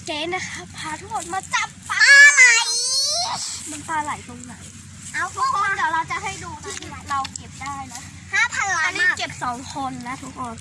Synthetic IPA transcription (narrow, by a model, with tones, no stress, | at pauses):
kɛː˨˦˥na˦˥kʰa˦˥pʰːaː˧t̪ʰu˦˥kʰo˧nmaː˧t͡ɕa˨˩p̚ːaː˧na˨˩j | ma˧npaː˧la˨˩˦jt̪o˧ŋna˩˦j | ʔa˧˩wt̪ʰu˦˥kʰlːwɾa˧wt͡ɕa˨˩ɦa˥˩jduː˧ni˥˩˧ɾa˧wke˨˩p̚daː˥˩jna˦˥ | haː˥˩pʰa˧nlaː˦a˧niː˦˥˩ke˨˩p̚sɔː˩˦ŋkʰo˧nːa˦˥t̪ʰu˦˥kʰːo˧n